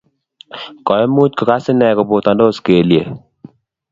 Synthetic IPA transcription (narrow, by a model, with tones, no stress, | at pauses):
kɔ˨ɛ˦mu˦tkɔ˨ka˦sɪ˦nɛ˨kɔ˨bo˨t̪a˨ndo˦ske˨lje˨